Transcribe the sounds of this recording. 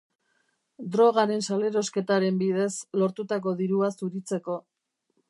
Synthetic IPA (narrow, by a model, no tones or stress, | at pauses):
d̪ɾo̞ɣ̞aɾe̞nsale̞ɾo̞ske̞t̪aɾe̞mbið̞e̞slo̞ɾt̪ut̪ak̬o̞ðiɾuasuɾit͡se̞ko̞